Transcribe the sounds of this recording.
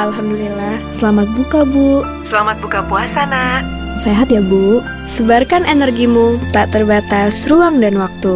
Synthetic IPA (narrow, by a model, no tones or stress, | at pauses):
ʔalɦamdulilahsəlamat̪̚bukabuʔ | səlamat̪̚bukapuasanah | seɦat̪jabuʔ | səbarkanenərɡimut̪aʔt̪ərbat̪asruaŋdanwak̚t̪u